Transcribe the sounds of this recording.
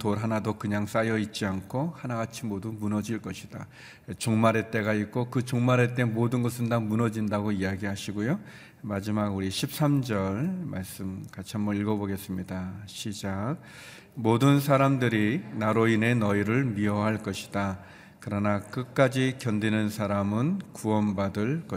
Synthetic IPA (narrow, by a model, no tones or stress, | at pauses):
toɾɦanadokɯɲaŋs͈ajʌit̚t͡ɕ͈iankʰohanaɡat͡ɕʰimodumunʌd͡ʑiɭk͈ʌɕʰi̥d̥a̰ | t͡ɕoŋmaɾe̞t͈e̞ɡaik͈okɯt͡ɕoŋmaɾe̞t͈e̞modɯnɡʌsʰɯndamunʌd͡ʑindaɡoijaɡiɦaɕʰiɡojo | mad͡ʑimaɡuɾiɕʰip̚s͈amd͡ʑʌɭmaɭs͈ɯmkat͡ɕʰiɦambʌiɭɡʌboɡe̞s͈ɯmɲidaɕʰid͡ʑak̚ | modɯnsʰaɾamdɯɾinaɾoine̞nʌiɾɯɭmiʌɦaɭk͈ʌɕʰi̥da | kɯɾʌnak͈ɯk͈ad͡ʑikjʌndenɯnsʰaɾamɯnkuʌnbadɯɭk͈ʌ